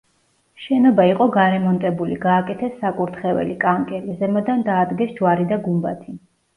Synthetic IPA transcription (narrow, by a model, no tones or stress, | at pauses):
ʃɛnɔbaiqʼɔɡaɾɛmɔnt̪ʼɛbuliɡaːkʼɛt̪ʰɛsːakʼuɾt̪ʰχɛvɛ̰likʼaŋkʼɛlizɛmɔd̪and̪aːd̪ɡɛsd͡ʒwaɾid̪aɡumba̰t̪ʰi